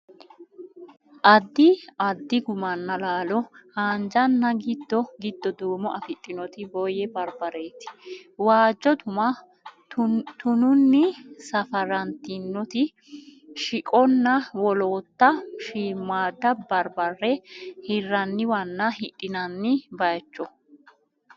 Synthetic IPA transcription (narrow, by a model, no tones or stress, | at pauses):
ʔɐd̪ːɪɐd̪ːɪɡʊmɐnːɐlaːlɔhaːnd͡ʒɐnːɐɡɪd̪ːɔɡɪd̪ːɔd̪uːmɔʔɐfɪt̪ʼːɪnɔt̪ɪbɔjɛbɐɾbɐɾeːt̪ɪ̥waːd͡ʒːɔt̪ʊmɐ | t̪ʊnʊnːɪsɐfɐɾɐnt̪ɪnːɔt̪ɪ | ʃɪkʼɔnːɐwɔloːt̪ːɐʃiːmːaːd̪ːɐbɐɾbɐrːɛhɪrːɐnːɪwɐnːɐhɪᶑʼːɪnɐnːɪbɐjt͡ʃːɔ